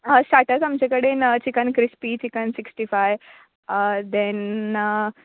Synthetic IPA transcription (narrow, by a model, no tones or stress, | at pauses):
əɕaʈəsamt͡ɕekəɽenət͡ɕikənkɾispit͡ɕikənsiksʈifajʋ | d̪ɛn